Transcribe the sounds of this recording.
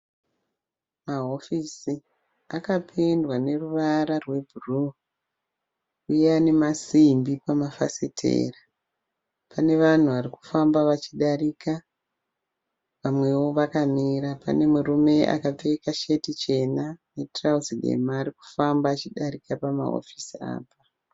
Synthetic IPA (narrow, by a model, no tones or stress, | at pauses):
maɦo̞fisi | akapʰendwane̞ruʋaɾarwe̞bʱuru | ujeane̞masimbipamafa̰sitʰḛːra | pʰane̞ʋan̤uʋaɾiku̥fambaʋat͡ʃiɗaɾika | ʋamwe̞wo̞ʋakamiɾapa̰ne̞murume̞ʔa̰kap͡fe̞kaʃe̞tit͡ʃe̞nane̞trauziɗe̞̰maːɾiku̥fambaːt͡ʃiɗaɾikapama̰ɦo̰fisia̰ːpa